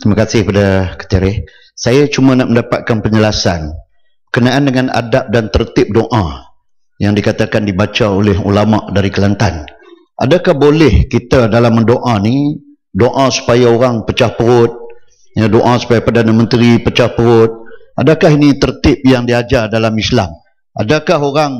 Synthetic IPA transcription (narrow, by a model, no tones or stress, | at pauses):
t̪imakasɪhpadakə̥t̪iɾɪh | sajat͡ʃumãnaʔməndapat̪̚kanpəɲəlasan | bəkənaʔandəŋana̰dap̚dant̪ərt̪ɪp̚doʔã | jaŋdikat̪akandibat͡ʃaolɪɦṵlamaʔdaɾikəlant̪an | ʔa̰dakahbolɛhkit̪adalamːədoʔani | doʔãsu̥pajaoɾaŋpət͡ʃahpəɾʊt̪̚ | jədoʔasu̥pajapərdanamə̃nt̪ɾipət͡ʃahpəɾʊt̪̚ʔadakaɦinit̪ərt̪ɪp̚jaŋdiad͡ʒardalamislam | a̰dakaɦoɾaŋ